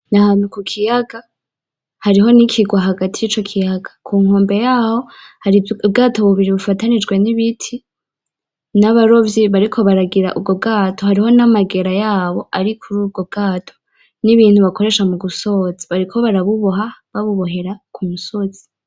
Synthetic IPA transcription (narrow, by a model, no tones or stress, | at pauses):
nahanukukʰijaɡa | haɾiɦo̞nikʰiɡwaɦaɡatʰijit͡ʃo̞kʰijaɡḁkʰuːŋo̞ːmbe̞jaːho̞haɾiub̚ɡaːto̞βuβiɾiβufatanid͡ʒɡwe̞niβitʰi | naβaɾo̞vjiβaɾikʰo̞βaɾaɡiɾaʔub̚ɡo̞b̚ɡaːtʰo̞haɾiɦo̞namaɡe̞ɾajaːβo̞ʔaɾikʰuɾuːb̚ɡo̞b̚ɡaːtʰo̥ | niβiːn̥huβako̞ɾe̞ːʃamuɡuso̞ziβaɾikʰo̞βaɾaβuβoɦaβaβuβo̞ɦe̞ɾakʰumusoz̥i̥